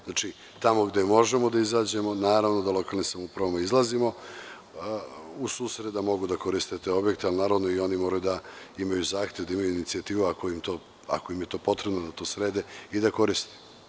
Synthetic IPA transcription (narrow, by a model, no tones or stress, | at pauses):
znat͡ʃi | t̪amo̞ɡd̪emo̞ʒemo̞d̪aizaːd͡ʑe̞mo̞naːɾaʋno̞d̪alˠo̞kalnisamupɾaʋomaizlˠazimo̞ | usuːsɾed̪amo̞ɡud̪ako̞ɾist̪et̪eo̞bje̞kt̪ealˠnaːɾaʋno̞io̞nimo̞ːɾajud̪aimajuzaːxt̪jeʋd̪aimajuinit̪siat̪iːʋuakoimt̪oː | a̰ko̞imje̞t̪o̞ːpo̞t̪ɾebnod̪at̪o̞sɾeːd̪eid̪ako̞ɾist̪e̥